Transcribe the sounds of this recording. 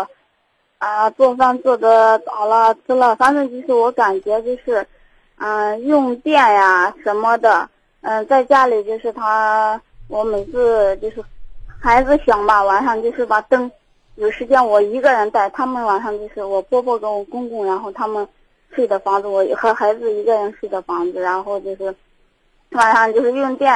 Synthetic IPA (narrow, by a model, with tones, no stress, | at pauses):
ə˧t͡swɔ˥˩fa˥˧nt͡sɔ˥˩d̪ə˩t͡s̪ɑ˨˩ʊlə˧t͡sʰɹ̩˥lə˥˩fa˥nt͡s̩˥˧t͡ɕjo˥˧ʊʂɻ̩˥˩wɔ˧˥ka˨˩nt͡ɕɥɛ˧˥t͡ɕjo˥˧ʊʂɻ̩˥˩ | ə˥˧jʊ˥˧ŋt̪jɛ˥˩nja˨˩ʂə˧˥nmə˧d̪ə˩ | ə˥˧t͡sa˥˩ɪt͡ɕja˥li˨˩t͡ɕjo˥˧ʊʂɻ̩˥˩t̪ʰa˥ | wɔ˧˥me˨˩ɪt͡sʰɹ̩˥˩t͡ɕjo˥˧ʊʂɻ̩˥˩xa˧˥ɪd͡zɹ̩˧ɕjɑ˨˩ŋbɐ˧wa˨˩nʂɑ˥˧ŋt͡ɕjo˥˧ʊʂɻ̩˥˩pa˨˩t̪ɤ˥ŋ | jo˨˩ʊʂɻ̩˧˥t͡ɕjɛ˥nwɔ˨˩i˧˥ɡə˧ɻə˧˥nt̪a˥˩ɪt̪ʰa˥mə˨nwa˨˩nʂɑ˥˧ŋt͡ɕjo˥˧ʊʂɻ̩˥˩wɔ˨˩pʰwɔ˥pʰwɔ˥˩ke˧˥ɪwɔ˨˩kʊ˥ŋkʊ˥˩ŋɻa˧˥nxo˥˩ʊt̪ʰa˥mə˨n | ʂ̩˥˩d̪ə˦fɑ˧˥ŋd͡zɹ̩˧wɔ˧˩˧xɤ˧˥xa˧˥ɪd͡zɹ̩˧i˧˥ɡə˥˧ɻə˧˥nʂɻ̩˥˩d̪ə˦fɑ˧˥ŋd͡zɹ̩˧ɻa˧˥nxo˥˧ʊt͡ɕjo˥˧ʊʂɻ̩˥˩ | wa˨˩nʂɑ˥˧ŋt͡ɕjo˥˧ʊʂɻ̩˥˧jʊ˥˧ŋt̪jɛ˥˩